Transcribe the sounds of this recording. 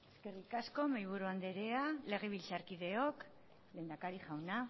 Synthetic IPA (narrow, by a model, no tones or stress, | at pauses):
eske̞rikasko̞majβuɾuand̪eɾe̞ale̞ɣ̞e̞β̞ilt͡saɾkiðe̞ok | le̞ːnd̪akaɾiʝawna